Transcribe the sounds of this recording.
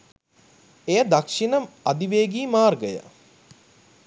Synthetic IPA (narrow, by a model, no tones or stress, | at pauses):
ejəd̪akʂinəmad̪iʋeːɡiːmaːrɡəjə̰